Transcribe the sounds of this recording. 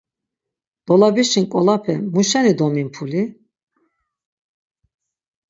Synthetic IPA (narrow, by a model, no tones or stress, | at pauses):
d̪̥ɔlabiʃinkʼɔlapʰɛmuʃɛnid̪ɔminpʰuli